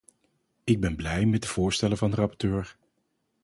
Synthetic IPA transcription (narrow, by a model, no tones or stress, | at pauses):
ɪɡ̚bɛnblɛjmɛt̚dəv̥ʊːɹstɛləvɑndərɑpɔ̥ɹtøːɹ